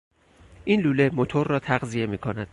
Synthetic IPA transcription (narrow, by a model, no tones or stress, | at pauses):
ʔiːnluːle̞mot̪ʰo̞ɾːɒːt̪ʰæɣzije̞miːkʰonæd̪̥